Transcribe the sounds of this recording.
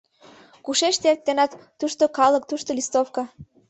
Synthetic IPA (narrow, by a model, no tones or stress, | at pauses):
kuʃeʃt̪ert̪ːenɑt̪ːuʃt̪okɑlə̆k̚t̪uʃt̪olʲist̪ofkɑ